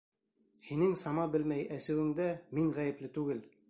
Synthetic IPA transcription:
hinɘŋsɑmɑbɘlmæjæsɘ̆wɘ̆ŋd̪æmiŋʁæjɘ̆plɘt̪ʉɡɘl

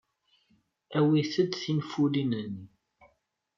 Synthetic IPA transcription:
æwiθəd̪θinfulinəni

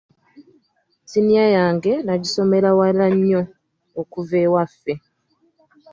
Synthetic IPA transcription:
sinijajaːŋɡe̞naɟiso̞me̞ɾawalaɲːo̞ː | kuve̞wafːe̞

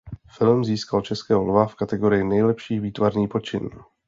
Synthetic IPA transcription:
fɪlmziːskalt͡ʃɛskɛːɦonovafkat̪ɛɡo̞ɾɪjɪnɛjlɛpʃiːviːt̪vaɾniːpot͡ʃɪn

